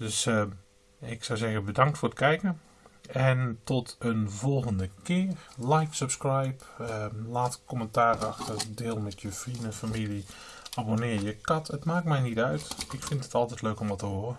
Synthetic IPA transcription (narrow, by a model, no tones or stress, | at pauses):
døsə | ɪksawzɛɣənbədɑŋk̚tfʊːrətkɛjkən | ɛntɔtənvɔlˠxəndəkɪːərlajksəpskrajpəlaːtkoməntaːrɑxtərdɪːlˠmɛtʰjəfrinəfamilˠi | ʔabonɪːrjəkɑtətmaːk̚mɛjnitœɥtɪkfɪntətɔlˠtɛtløːkɔmʋɔtəhoərə